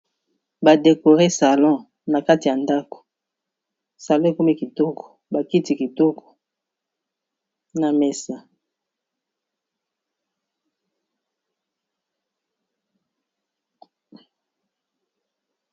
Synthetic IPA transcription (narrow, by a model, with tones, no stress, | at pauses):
ba˨de˨ko˨ʁe˦sa˨lɔ̃˦˨ | na˨ka˦ti˨ja˨nda˦ko̥˨ | sa˨lɔ̃˦e˨ko˦mi˦ki˨tɔ˦kɔ̥˨ba˨ki˦ti˨ki˨tɔ˦kʰɔ̥˨ | na˨me˨sa˨